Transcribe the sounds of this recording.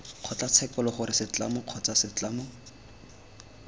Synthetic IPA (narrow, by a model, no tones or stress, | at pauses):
q͡χʰɔt͡ɬat͡sʰɛkɔlɔχʊɾɪsɪt͡ɬamʊq͡χʰɔt͡sasɪt͡ɬamʊ